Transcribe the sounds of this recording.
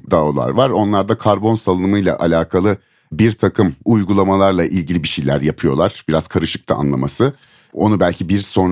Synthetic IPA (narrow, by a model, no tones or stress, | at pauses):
d̪aolˠa̰ɾvaɾo̞nlˠaɾd̪akʰaɾbo̞nsalˠɯnmɯjlˠa̰ʔalʲaːkʰalˠɯ | biɾt̪ʰakʰɯmujɡulˠamalˠaɾlˠaʔilʲɟilʲibiʃejlʲæɾjapʰɯjo̞lˠaɾ̥biɾaz̥kʰaɾɯʃɯ̥k̚t̪ʰa̰a̰nlˠamasɯ | o̞̰nubælʲcʰibiɾso̞n